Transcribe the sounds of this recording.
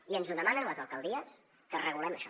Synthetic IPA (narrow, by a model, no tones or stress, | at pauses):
iənzuðəmanənləzəlˠkəlˠd̪iəs | kərəɣulɛməʃɔ